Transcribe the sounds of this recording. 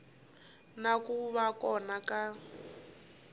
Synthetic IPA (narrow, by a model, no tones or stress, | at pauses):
nakuβakɔnaka